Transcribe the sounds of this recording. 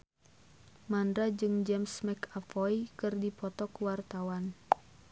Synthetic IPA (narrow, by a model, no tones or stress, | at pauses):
mandɾad͡ʒɨŋd͡ʒɛmsmɛkafɔjkɨrdipɔt̪ɔkuwart̪awan